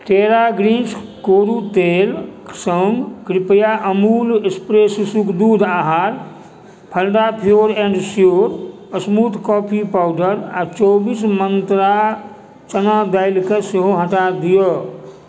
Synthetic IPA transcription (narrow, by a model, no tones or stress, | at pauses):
ʈeɾaɡɾinskoɾut̪elksəŋɡkɾipəjaʔəmulespɾesusukʰd̪ud̪aɦaɾ | pʰəlɖapʰijoɾẽɳɖsijoɾ | əsmut̪kɔpʰipawɖəɾat͡ʃobismənt̪ɾa | t͡ʃənad̪aɪlkẽseɦoɦəʈad̪ijo